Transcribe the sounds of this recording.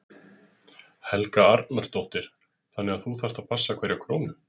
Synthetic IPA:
hɛlkaaɾt̪naɾ̥t̪owht̪ɪɾ̥ | θanːɛɣaθuθḁt̪apʰasːakʰvɛɾjakʰɾoːwmʏ

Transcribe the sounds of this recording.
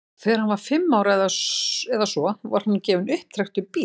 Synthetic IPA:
θɛːɾ̥hanvaɾ̥fɪmːaːwɾaɛðasɛðasɔva̰ɾ̥hanːcɛːvʏnʏhp̚t̪ʰɾɛxt̪ʏpi

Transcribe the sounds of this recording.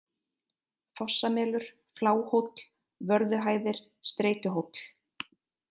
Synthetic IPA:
fɔsːamɛːlʏɾ̥ | flaːwhowt̪l̥ | vœɾðʏɦaːjðɪɾ̥ | st̪ɾeːjcʏɦowt̪l̥

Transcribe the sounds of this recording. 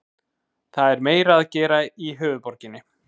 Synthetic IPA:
θaðɛɾmeːjɾaːðcɛːɾaiɦœːvʏðpɔɾcɪnːɪ

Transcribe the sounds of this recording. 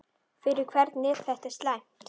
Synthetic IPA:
fɪɾɪɾ̥kʰvɛɾt̪nɪːð̥θɛht̪ɛɾst̪lajm̥tt̪

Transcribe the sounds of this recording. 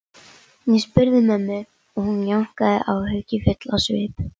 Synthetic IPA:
nɛspʏɾðʏmɛmːɪɾ | ɔɣhunjawŋ̥kaðɪ̰ʔawɦœɥcɪfʏt̪lasvɪːp

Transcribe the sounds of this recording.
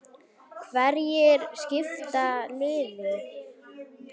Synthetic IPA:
vɛɾjɛɾscɪft̪alɪːðʏ

